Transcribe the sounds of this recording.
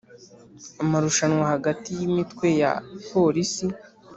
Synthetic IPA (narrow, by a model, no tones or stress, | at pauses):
amaɾuʃanwahaɡatijimitkwe̞ja̰po̞ɾisi